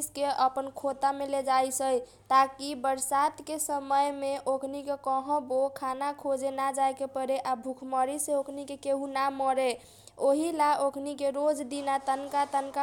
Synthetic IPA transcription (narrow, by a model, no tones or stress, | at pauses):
skeəpənkʰot̪ameled͡ʒajsəj | t̪akibəɾsat̪kesəməjmeʔokʰnikekəɦɔ̃bokʰanakʰod͡ʒenad͡ʒajkepəɾeʔabʱukʰməɾiseokʰnikekeɦũnamɔɾe | oɦilaokʰnikeɾod͡ʒd̪inat̪ənkat̪ənka